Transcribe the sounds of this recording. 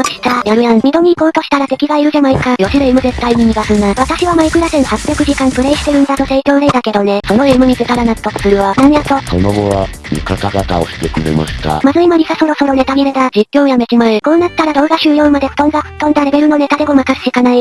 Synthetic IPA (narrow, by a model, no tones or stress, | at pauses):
oki̥ɕt̪ajaɾɯ̟jãnmʲid̪o̞ɲ̟iːko̞ːt̪o̞ɕi̥t̪aɾat̪e̞kʲiɡaiɾɯ̟ʑamaikajo̞sid̪eimɯ̟ze̞t̪ːaiɲ̟imʲiɡasɯnd̪aβat̪aɕiβamaikɯ̟ɾasẽnhapːʲjakɯ̟ʑikãmpɯ̟ɾe̞iɕi̥t̪e̞ɾɯ̟̃nd̪at̪o̞seikʲo̞ːɾeid̪ake̞d̪o̞ne̞so̞noemɯ̟ɲ̟izet̪aɾanaɯ̥t̪ːokɯ̥sɨɾɯ̟βanaɲʲiat̪oso̰noɡoβa̰ | mʲḭkat̪aɡat̪ao̰ɕi̥t̪ekɯ̟ɾḛma̰ɕi̥t̪a̰mazɨimamʲisaso̞ɾo̞so̞ɾo̞ne̞t̪amʲiɾed̪ad͡ʑikʲːo̞ːjamet͡ɕimaiko̞ːnat̪ːaɾad̪o̞ːɡaɕɨːjo̞ːmad̪e̥t̪õ̞nɡaɸɯ̟t̪ːõ̞nd̪aɾe̞be̞ɾɯ̟no̞ne̞t̪ad̪e̞ɡomakasɕikanai